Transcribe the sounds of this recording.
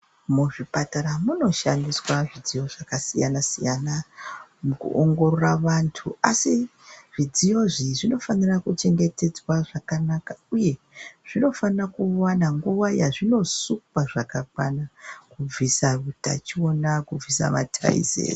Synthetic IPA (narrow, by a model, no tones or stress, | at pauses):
muʐipataɾamuno̞ʃandiswaʐid͡zijo̞ʐakasijanasijanamukṵʔoŋɡo̞ɾo̞raʋantʰuasi | ʐ̥id͡zijo̞ʐiʐino̞fanirakut͡ʃe̞ŋɡe̞te̞d͡zwaʐakanakauje̞ | ʐ̥ino̞fanrakuwanaŋɡuʋajaʐino̞sukwaʐakakwanakub͡visaruta̰t͡ʃio̞nakub͡visa̰ma̰tʰa̰ḭzḛːr